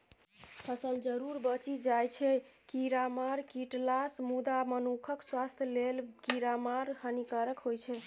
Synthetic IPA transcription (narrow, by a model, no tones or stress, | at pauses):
pʰəsəld͡ʒəɾuɾbət͡ʃid͡ʒajt͡ʃʰɛkiɾamaɾkiʈlasmud̪amənukʰəkswast̪ʰjlelkiɾamaɾhənikaɾəkɦojt͡ʃʰɛ